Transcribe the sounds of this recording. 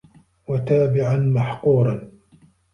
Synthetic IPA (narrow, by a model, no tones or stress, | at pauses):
wat̪aːbɪʕanmaħquːɾˤɑn